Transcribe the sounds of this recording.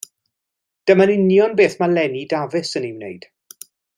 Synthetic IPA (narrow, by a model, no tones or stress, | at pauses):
d̥əmanɪnjɔnbeːθmalɛnidavɪsəniwnḛjd̥